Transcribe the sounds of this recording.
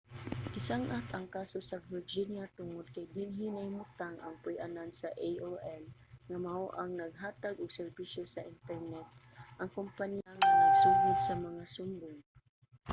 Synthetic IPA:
kɪsaŋʔat̪ɐŋkaːsosɐvɪɹd͡ʒinjat̪ʊŋod̪̚kajɡɪnɦɪnɐhɪmʊt̪aŋʔa̰ŋpʊjʔanansaʔejʔoʔɛlŋamahoʔaŋnɐɡ̚ɦaːt̪aɡʊɡsɛɹbiʃjosɐʔɪnt̪ɛɹnɛt̪̚ | ʔɐŋkompanjaŋanaɡsuːɦʊd̪sɐmɐŋasʊmbʊŋ

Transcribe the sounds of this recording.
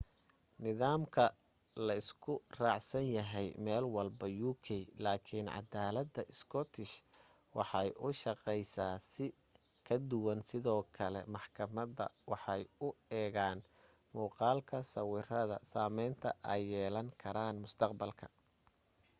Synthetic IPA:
nɪðaːmkʰɐ | lɐɪskʰʊrɑːʕsɐnjɐɦɛjmɛːlwɑlbɐjuːkʰɛjlaːkʰɪnʕɑ̰d̪aːlɐd̪ɐʔɪskʰɔt̪ʰɪʃ | wɑħɑjʔʊʃɑqɛjsaːsɪ | kʰɐd̪ʊwɐnsɪðɔːkʰɐlɛ̰mɑħkʰɐmɐðɐ̰wɑħɑjʊɛːɣaːn | muːqɑːlkʰɐsɐwɪrɐðɐ̰saːmɛjnt̪ʰɐ̰ʔɛjːɛːlɐŋkʰɐɾaːnmʊst̪ʰɑqbɐlkʰɐ̥

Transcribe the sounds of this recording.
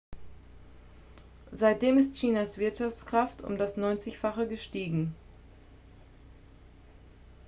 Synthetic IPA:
zaɪt̚d̥eːmɪstçiːnasv̥ɪɐtʃaft͡skʁ̥aftʊ̰mdasnɔʏnt͡sɪçfaχəɡəʃtiːɡŋ̩

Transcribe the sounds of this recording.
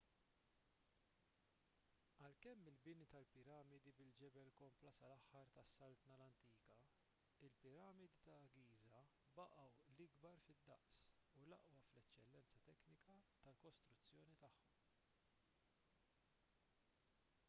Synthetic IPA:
ɐlkɛmːɪlbɪnit̪ɐlpɪɾɐːmɪd̪ibɪld͡ʒɛbɛlkɔmplɐsɐlɐħːɐɾt̪ɐsːɐlt̪nɐlɐnt̪iːkɐ | ɪlpɪɾɐːmɪd̪it̪ɐːɡiːzɐ | bɐʔɐwlɪɡbɐɾfɪd̪ːɐʔsulɐʔwɐflɛt͡ʃːɛlːɛnt͡sɐt̪ɛknɪkɐt̪ɐlkɔst̪ɾʊt͡sːjɔːnit̪ɐħːɔm

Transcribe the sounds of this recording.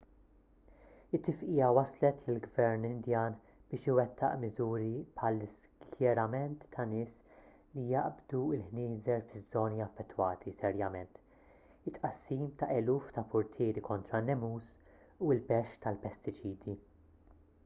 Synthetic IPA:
ɪt̪ːɪfʔɪːjɐwɐslɛt̪lɪlɡvɛɾnɪnd̪jɐːn | b̥ɪːʃɪwɛt̪ʰːɐ̰ʔmɪzuːɾipħɐlːɪskʰjɛɾɐmɛnt̪ːɐnɪːs | lijɐʔbd̪uɪlħnɪːzɛɾfɪzːɔːniɐfːɛt̪ːwɐːt̪ʰisɛɾjɐmɛnt̪ | ɪt̪ʼːʔɐsːiːmt̪ɐʔɛluːft̪ɐpʊɾt̪ʰɪːɾikɔnt̪ɾɐnːɛmuːs | uɪlbɛʃt̪ɐlpɛst̪ɪt͡ʃiːd̪i

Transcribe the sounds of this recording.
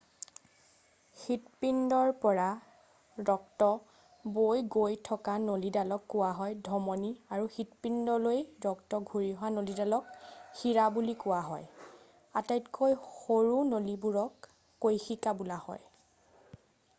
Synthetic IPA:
xitpindɔɹpɔɹa | dɔktɔ | bojɡojtʰɔkanolidalɔkːʊwaɦɔjdʱɔmɔniaɹuxitpindɔlojɹɔktɔɡʱuɹiɦɔanolidalɔkxiɹabulikʊwaɦɔ̰j | atajtkʰojxoɹunolibuɹɔkː | ojxikabulahɔ̰j

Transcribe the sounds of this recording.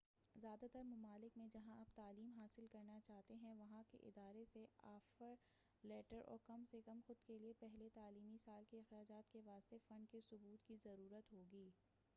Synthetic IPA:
zjaːd̪at̪əɾmʊmaːlɪkmẽd͡ʒɐɦãɐbt̪aːliːmɦaːsɪlkɐɾnat͡ʃaːɦt̪eɦɛ̃ʋɐɦãkḛʔɪ̰d̪aːɾeseaːfəɾ | lɛːʈəɾʔɔ̰ːɾkɐmsekɐmxʊd̪keliepɛɦlet̪aːliːmisaːlkeɪxɾaːd͡ʒaːt̪keʋaːst̪efɐ̃ɳɖ̚kesʊbuːt̪kizɐɾuːɾət̪ɦoːɡiː

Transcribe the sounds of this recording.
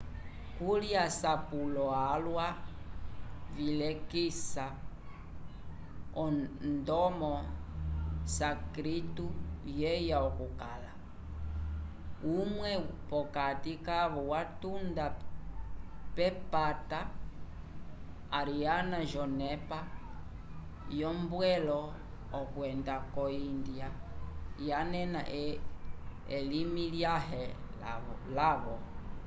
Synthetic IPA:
kuliasapulɔalwa | vilɛkisa | ɔndɔmɔ | sakɾitujɛjaɔkukala | umwɛpɔkatikaβɔwatunda | pɛpata | ɾianaʒɔnɛpa | jɔmbwɛlɔ | ɔkuɛndakɔindia | janɛna̰ʔ | ɛlimiljaɦɛ | laβɔ

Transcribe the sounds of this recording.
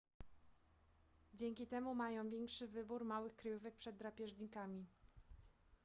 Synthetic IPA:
d͡ʑɛŋʲkʲit̪ɛmumajɔ̃w̃vʲɛŋkʂɘvɘbuɾmawɘxkɾajuvɛk̚pʂɛd̪ːɾapʲjɛʐɲikamʲi

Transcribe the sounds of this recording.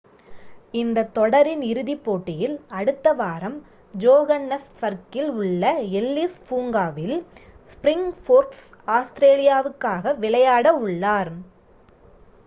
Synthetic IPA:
ɪnd̪ɐt̪ːɔɽɐɾɪnɪɾɯðipːoːʈːɪjɪlɐɽɯt̪ːɐʋaːɾɐm | d͡ʒoːɣɐnːɐsfɐɾkɪlʊɭːɐɛlːispuːŋɡaːʋɪl | spɾɪŋfoːɾʈs | aːst̪ɪɾeːlɪjaːʋɯkːaːɣɐʋɪɭɐjaːɽɐʊɭːaːɾ

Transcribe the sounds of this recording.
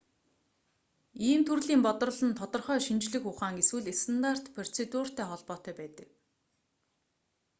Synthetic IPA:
iːmt̪ʰurɮiːmpɔt̪ɞ̆rɞ̆ɮə̆nt̪ʰɔt̪ɞ̆rχœːʃint͡ɕɮɘ̆xʊχaːŋɡeswɘ̆ɮest̪ʰant̪ar̥t̪pʰer̥t͡sʰet̪uːr̥t̪æːχɔɮpɔːt̪œːpæːt̪ə̥̆k

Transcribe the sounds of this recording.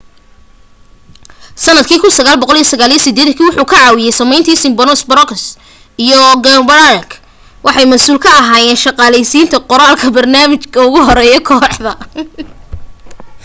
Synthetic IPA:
sɐnːɐd̪kʰiːkʰʊnsɐɣaːlbɔqɔlijɐsɐɣaːlijɐsɪd̪ɛːðɐkʰiːwʊħuːkʰɐʕɑːwɪjɛjsɐmɛjnt̪ʰiːsɪmbɔnɔsbɾɔkʰs | ijɔɡɐmbɾalk | wʔɑħɑjmɐsuːlkʰɐːɦaːjɛːnʃɑqɑːlɛjsiːnt̪ʰɐqɔɾaːlkʰɐbɐrnaːmɪt͡ʃkʰɐʊɣʊɦɔɾɛːjɔkʰɔːħðɐ

